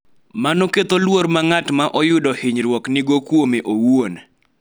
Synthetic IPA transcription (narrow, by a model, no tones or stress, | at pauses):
manoket̪olwoɾmaŋatmaʔɔjʊdɔhɪɲɾwɔknɪɡokwomeʔowon